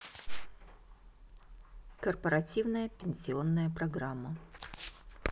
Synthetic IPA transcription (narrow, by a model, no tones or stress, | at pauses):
kərpəɾɐtʲivnəjəpʲɪnʲsʲɪonːəjəpɾɐɡɾamːə